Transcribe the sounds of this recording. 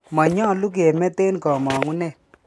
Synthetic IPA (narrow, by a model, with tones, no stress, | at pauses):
ma˨ɲɔ˦˨lu˦k̬e˨mɛ˦te˦nkɔ˨mɔ˨ŋu˦nɛ˦˨